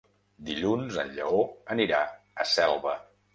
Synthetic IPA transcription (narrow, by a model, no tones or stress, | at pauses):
d̪iʎunzə̰nʎə̰oəniɾa | əsɛlˠβə